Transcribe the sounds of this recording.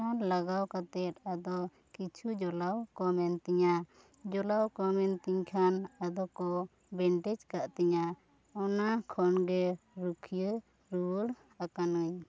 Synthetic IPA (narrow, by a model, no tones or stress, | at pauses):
anlaɡawkat̪ɛt̪ad̪ɔ | kit͡ʃʰud͡ʒɔlawkɔmɛnt̪iɲa | d͡ʒɔlawkɔmɛnt̪iɲkʰanad̪ɔkɔ | bɛɳʈɛd͡ʒkaʔt̪ɛɲa | ɔnakʰɔnɡɛɾukʰijə | ɾuɽ | akanəɲ